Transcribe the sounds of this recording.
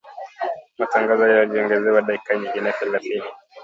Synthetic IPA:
mataŋɡazɔjajɔʄiɔŋɡɛzɛwaɗaikaɲiɡinɛθɛlaθini

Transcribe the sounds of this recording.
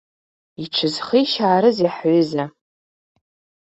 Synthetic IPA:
iʈ͡ʂʰɨzχijʃaːɾɨziħʕʷʏza

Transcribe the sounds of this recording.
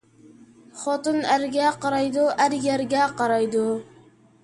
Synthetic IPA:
χɔt̪ɨnæɾɡʲɛqɑɾɑjd̪uʔæɾjæɾɡʲɛqɑɾɑjd̪u

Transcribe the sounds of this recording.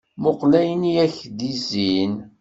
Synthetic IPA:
moqlæjənijæçd̪izin

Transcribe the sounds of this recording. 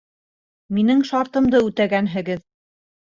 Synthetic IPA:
minɘŋʃɑɾt̪ɤ̆md̪ɤʉt̪æɡænɦɘ̆ɡɘð

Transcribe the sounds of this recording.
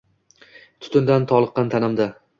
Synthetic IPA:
t̪ʰʊ̥t̪ʰʊnd̪ant̪ʰɒlˠɨqːɑnt̪ʰanɪmd̪a

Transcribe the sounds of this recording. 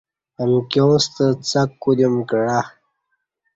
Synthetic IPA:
əmkost̪ət͡sakːud̪emkəɽa

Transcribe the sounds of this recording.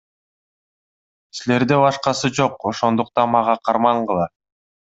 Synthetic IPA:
sile̞ɾd̪ebɑʃqɑsɯd͡ʒo̞qo̞ʃo̞nd̪uq̚t̪ɑnmɑʁɑqʰɑɾmɑɴqɯlˠɑ

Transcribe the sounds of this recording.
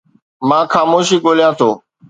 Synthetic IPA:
mãːxaːmoːʃiːɠoːljãːt̪ʰoː

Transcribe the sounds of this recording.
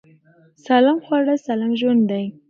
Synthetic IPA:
salamxwaɽasalamʒwand̪d̪aj

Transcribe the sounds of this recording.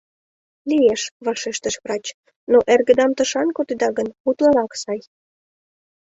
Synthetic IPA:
lieʃβɑʃeʃt̪əʃvrɑt͡ɕ | noʔerɣə̆d̪ɑmt̪ə̆ʃɑnkot̪ed̪ɑɣənput̪lɑɾɑksɑj

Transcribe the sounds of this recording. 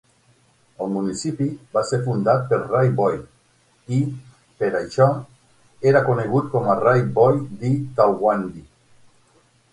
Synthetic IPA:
əlˠmunisipibaseɾfund̪at̪̚peɾrajbɔj | i | peɾajʃɔ | eɾakoneɣ̞ut̪̚kɔmarajbɔjd̪it̪awɣwand̪i

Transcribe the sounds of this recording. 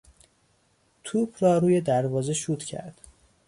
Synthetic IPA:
t̪ʰuːbɾɒːɾuːje̞d̪æɾvɒːzeʃuːt̪ʰcʰæ̰ɾd̪̥

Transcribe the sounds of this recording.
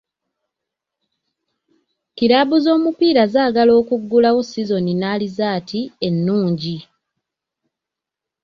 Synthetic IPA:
kiɾaːβuzo̞ːmupiːɾazaːɡalo̞ːkuɡːulawosizo̞ninaːlizaːtie̞nːuːɲɟi

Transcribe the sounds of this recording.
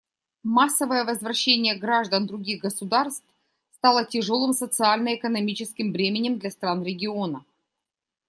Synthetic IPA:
masːəvəjəvəzvɾɐɕːenʲɪjəɡɾaʐd̪ənd̪ɾʊɡʲiɣɡəsʊd̪arst̪f | st̪alˠətʲɪʐo̞lˠɨmsət̪sɨalʲnəɪkənɐmʲit͡ɕɪskʲɪmvɾʲemʲɪnʲɪmd̪lʲɐst̪ɾanɾʲɪɡʲɪonə

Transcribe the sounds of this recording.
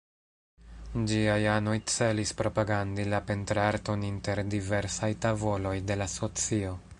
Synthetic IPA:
d͡ʒiajano̞jt͡se̞lispɾo̞paɡandilape̞ntɾaɾto̞ninte̞ɾdive̞ɾsajtavo̞lo̞jde̞laso̞t͡sio̞

